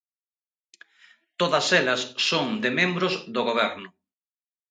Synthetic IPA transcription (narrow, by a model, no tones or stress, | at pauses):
t̪oðɐsɛlɐsːoŋd̪ɪmẽmbɾʊzðoɣoβ̞ɛɾnʊ